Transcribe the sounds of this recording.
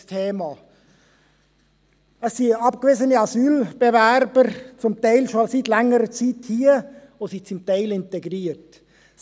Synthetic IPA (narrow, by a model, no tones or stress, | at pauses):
tʰeːmɑ | əsːiɑpkvezəniɑzyːlb̥evæɾbəɾt͡sʊmtaɪlʃositlɛŋəɾət͡siːthiːəʋoːsit͡sʊmtaɪlɪnteɡɾiːəɾt